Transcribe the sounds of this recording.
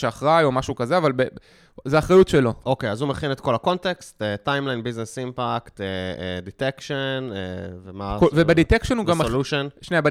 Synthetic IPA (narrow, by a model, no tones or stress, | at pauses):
ʃeaχʁajo̞maʃukazeavalbe | zeaχʁajutʃelo̞okejazumeχinet̪ko̞lako̞ntekstetajmlajnbiznesimpakt̪eḛditekʃenevemakovebeditekʃenuɡamluʃonʃneaba